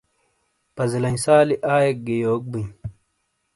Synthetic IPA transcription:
pɐzilɐnsaːliʔaːjek̚ɡejoːk̚buɲ

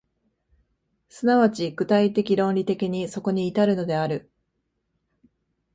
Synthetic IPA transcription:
sɨnaβat͡ɕiɡ̥ɯ̟t̪ait̪e̞kʲiɾõ̞nɾʲit̪e̞kʲiɲ̟iso̞ko̞ɲ̟iːt̪aɾɯ̟no̞d̪e̞aɾɯ̟

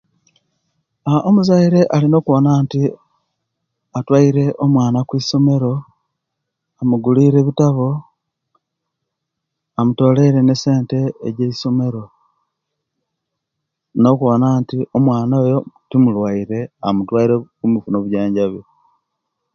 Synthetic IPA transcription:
aʔomuzaiɾe̞ʔalino̞ːkuβonaːnti | atwaiɾe̞ʔomwaːnakwiːso̞me̞ɾo̞ | amuɡuliːɾe̞βitaβo̞ | amuto̞ːle̞ɾe̞ne̞se̞ːnte̞ːɟeiso̞me̞ɾo̞ | no̞kuonaːntio̞mwaːnoːjo̞timulwaiɾe̞amutwaiɾekumifuno̞βuɟaːɲɟaβje

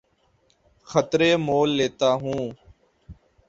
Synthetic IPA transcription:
xət̪ɾeːmoːlːeːt̪aːɦũː

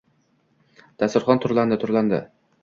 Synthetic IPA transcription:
d̪̥æsʊɾχɑnt̪ʰʊɾlˠand̪ɪt̪ʰʊɾlˠɑnd̪ɪ̰

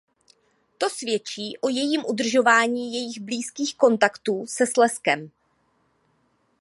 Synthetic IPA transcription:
t̪o̞svjɛt͡ʃiːʔo̞jɛjiːmʔud̪r̩ʒo̞vaːɲiːjɛjɪɣbliːskiːxko̞nt̪akt̪uːsɛslɛskɛm

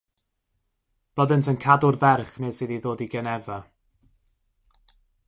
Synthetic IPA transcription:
b̥əðəntʰənkʰadʊrvɛrχneːsiːðiðoːdiɡənɛva

